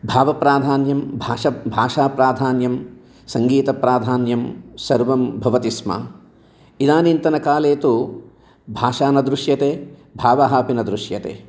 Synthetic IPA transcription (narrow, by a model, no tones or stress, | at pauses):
bʱaːʋɐpɾaːd̪ʱaːnjɐmbʱaːʂɐbʱaːʂaːpɾaːd̪ʱaːnjɐm | sɐŋɡiːt̪ɐpɾaːd̪ʱaːnjɐmsɐɾʋɐmbʱɐʋɐt̪ismɐ̰ | id̪aːnint̪ɐnɐkaːleːt̪u | bʱaːʂaːnɐd̪ɾuʂjɐt̪eːbʱaːʋɐɦaːpinɐd̪ɾuʂjɐt̪ḛː